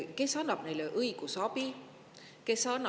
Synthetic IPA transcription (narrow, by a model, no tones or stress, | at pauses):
kesɑnɑp̚nejleʔɯikusɑpi | kesɑnɑ